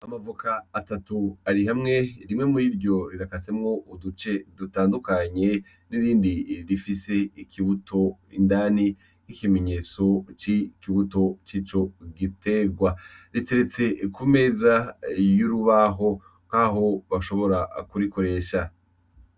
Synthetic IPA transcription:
amavukaːtatuaɾiɦamŋe̞ɾimŋemuɾiɾɟo̞ɾiɾakase̞mŋo̞ʔudut͡ʃe̞dutaːndukaɲe̞ | niɾiːndiɾifise̞ikʰiβutʰo̞ḭndaːniː | kime̞ɲe̞ːt͡so̞t͡ʃikiβuto̞t͡ʃit͡ʃo̞ɡite̞ɡwaɾite̞ɾet͡se̞kume̞ːzajuɾuβaɦo̞ | ŋkaɦo̞βaʃo̞βo̞ɾakuɾiko̞ɾe̞ʃa

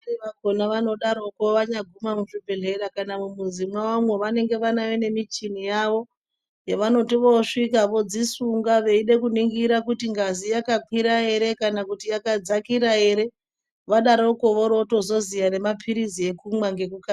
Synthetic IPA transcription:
ʋaɡʱonaʋano̞ɗaɾoukoʋaɲaɡʱumamuʐibʱeɮe̞ɾakanamumuzimwawamwe̞ʋane̞ŋɡe̞ʋanaʋe̞ne̞mit͡ʃinijaʋo̞ | jeʋano̞tiʋoʂik̬aʋo̞d͡zisuŋɡaʋe̞iɗe̞kuniŋɡiɾakutiŋɡazijakakwiɾae̞ɾe̞kanakutijakad͡zakiɾae̞ɾe̞ | ʋaɗaɾouko̞ʋoɾoto̞zo̞zijane̞mapʰiɾizie̞kumaŋɡe̞kuka

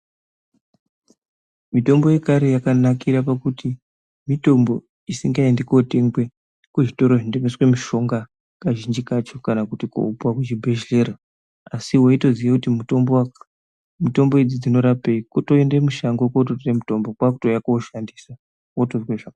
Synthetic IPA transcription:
mito̞mbo̞jekaɾejakanakiɾapakuti | mito̞mbo̞ | isiŋɡaindiko̞te̞ŋɡwe̞ | kuʐito̞ɾoʐindemeswe̞miʃo̞ŋɡa | kaʒind͡ʒikat͡ʃo̞kanakutiko̰upwakut͡ʃibʱe̞ʃeɾa | asiwoito̞ziʋakutimuo | mito̞mboed͡zid͡zino̞ɾapeikotoendemuʃaŋɡokototeremuto̞mbo̞kwaku̥to̞jakoːʃandisa | wotozweʐaka

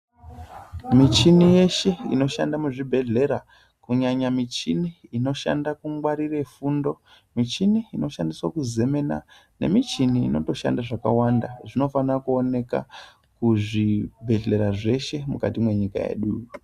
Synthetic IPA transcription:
mit͡ʃinije̞ʃe̞ḭno̞ʃa̰ndamuʐibʱe̞ɮe̞ɾa | kuɲaɲamit͡ʃiniːno̞ʃa̰ndakuŋɡwaɾirefundo̞ | mit͡ʃiniːno̞ʃandiswakuze̞me̞na̰ | ne̞̰mit͡ʃiniḭno̞to̞ʃa̰ndaʐakawandaʐino̞fanrakuo̞ne̞ka̰ | kuʐibʱe̞ɮe̞ɾaʐe̞ʃe̞mukatimwe̞ɲika̰jḛɗu

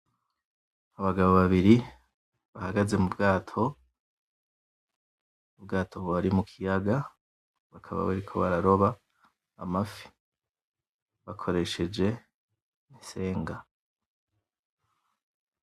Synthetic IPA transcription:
aβaɡaβo̞βaβiɾi | βahaɡaze̞mubɡaːtʰo̞ | ubɡaːtʰo̞βoβaɾimukʰijaɡa | βakʰaβa̰βaɾikʰo̞βaɾaɾo̞βa̰ː | mafi̥ | βakʰo̞ɾe̞ʃe̞d͡ʒe̞ | nise̞ːŋɡa

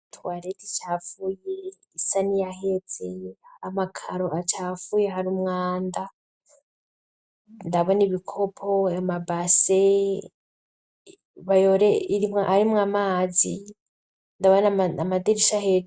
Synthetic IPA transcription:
tʰwaɾedit͡ʃafuje | isanijaɦet͡seamakʰaɾo̞at͡ʃaːfuːjeɦaɾumŋaːnda | ndaβoniβikʰo̞pʰo̞amabase | βajoɾeiɾimaʔaɾimŋamaːzḭ | ndaβonaamadeɾiʃahe

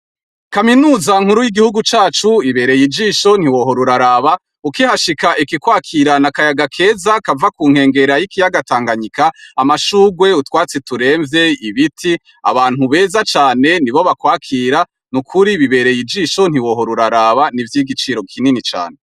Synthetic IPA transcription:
kaminuːzaŋ̥huɾujiɡihuɡut͡ʃaːt͡ʃuiβe̞ɾe̞jid͡ʒiːʃo̞n̥iwo̞ːɦo̞ɾuɾaɾaβa | ukihaʃikaʔikikwaːkʰiɾanakajaɡakʰe̞ːzakavakuːŋ̥he̞ːŋɡe̞ɾajikijaɡataːŋɡaɲikaːmaʃuːɡwe̞utwaːt͡setuɾe̞ːɱvje̞iβitʰi | a̰βaːn̥huβe̞ːzat͡ʃaːne̞niβo̞βakwaːkʰiːɾa | nukʰuɾiβiβe̞ɾe̞jid͡ʒiːʃo̞n̥iwo̞ːɦo̞ɾuɾaɾaβanivjiːɡit͡ʃiɾo̞kʰininit͡ʃa̰ːne̞

